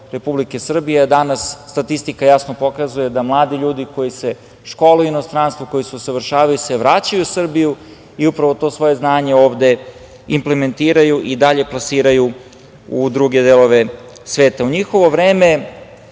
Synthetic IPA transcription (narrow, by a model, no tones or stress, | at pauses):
ɾe̞publike̞sr̩bijed̪anasːt̪at̪ist̪ikajasno̞po̞kazuje̞d̪amlˠaːd̪iʎuːd̪iko̞jise̞ | ʃko̞ːlejuino̞st̪ɾanst̪ʋoko̞jisusaʋr̩ʃaːʋajiseʋɾaːt͡ɕajusr̩biju | iupɾaʋo̞t̪o̞ːsʋo̞je̞znaːɲe̞o̞ːʋd̪e̞ | imple̞me̞nt̪iːɾajuʔid̪aʎe̞plasiːɾaju | ud̪ɾuːɡe̞d̪eːlo̞ʋe̞ | sʋe̞ːt̪auɲixo̞ʋo̞ʋɾe̞ːme